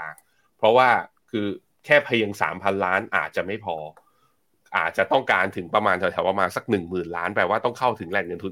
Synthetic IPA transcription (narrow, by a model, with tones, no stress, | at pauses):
aː˧ŋ | pʰɾɔ˦˥waː˥˩ | kʰɯː˧ | kʰɛː˥˩pʰːa˧ji˧ŋsa̰ː˩˦mpʰa˧nlaː˦˥nʔa̰ː˨˩t̪̚t͡ɕa˨˩ʔma˥˩jpʰɔː˧ | ʔa̰ː˨˩t̪̚t͡ɕa˨˩t̪ɔ˥˩ŋkaː˧nt̪ʰɯ˩˦ŋpɾa˧maː˧nt̪ʰɛ˨˩tʰɛː˨˦wa˧maː˧nsa˧˩k̚nɯ˨˩ŋmɯː˨˩nlaː˦˥npɛː˨˩waː˥˩t̪ɔ˥˩ŋkʰa˥˩wt̪ʰɯ˩˦ŋlɛː˧˩t̚ŋɤ˧nt̪ʰ